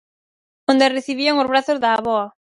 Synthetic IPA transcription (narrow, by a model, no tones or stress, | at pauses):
õnd̪ereθiβ̞iaŋozβɾaθozðaːβɔa